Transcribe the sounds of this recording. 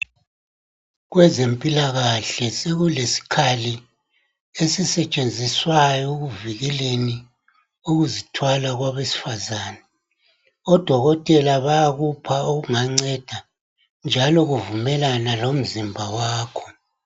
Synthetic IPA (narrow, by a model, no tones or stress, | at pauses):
ɣwɛzempʼilaɣaɬɛseɣulesi̥kʰali | esisɛt͡ʃʼend͡zʱiswajɔɣuviɣɛleni | uɣuzitʰwalaɣwaβesi̥fazaːnɛ | ɔd̥ʱɔɣɔtʼɛlaβajaɣupʰaoɣuŋaŋ͡ǀɛd̥ʱa | nd͡ʒʱalɔɣuvumɛlanalom̩zimbʱawaːkʰɔ̥